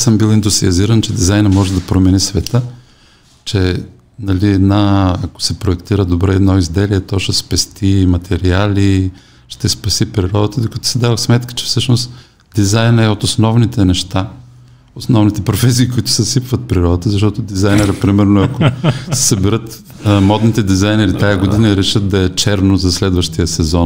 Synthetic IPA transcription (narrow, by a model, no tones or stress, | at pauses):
səmbilˠind̪usiɐziɾənt͡ʃɛd̪izajnəmɔʒɛd̪ɐpɾomɛnisvɛt̪ə | t͡ʃɛ | nɐliɛd̪naɐko̥sɛpɾoɛkt̪iɾəd̪obɾɛɛd̪nɔizd̪ɛliɛt̪ɔʃɛspɛst̪imɐt̪ʰɛɾialʲi | ʃt̪ɛspɐsipɾiɾɔd̪ət̪əd̪okɐt̪ɔ̥sɛd̪avəsmɛt̪kə̥t͡ʃɛ̥fsɤʃnost̪ | d̪̥izajnɛot̪osnɔvnit̪ɛnɛʃt̪a | osnɔvnit̪ɛpɾofɛs̬iːkʊit̪ʊ̥sɛsipvət̪̚pɾiɾɔd̪ət̪əzɐʃ̬t̪ɔt̪od̪izajnɛɾəpɾimɛɾnoɐkosɛ̥sɐbɛɾɤt̪ | mɔd̪nit̪ɛd̪izajnɛɾit̪ajɐɡod̪inəɾɛʃət̪̚d̪ɐɛt͡ʃɛɾnozɐslɛd̪vəʃt̪ijəsɛzɔn